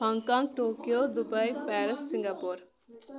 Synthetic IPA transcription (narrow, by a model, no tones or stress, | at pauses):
pãŋkãːŋk̚ʈoːkijoːd̪ʊbəipɛːɾəsːɪ̃ŋɡaːpoːɾ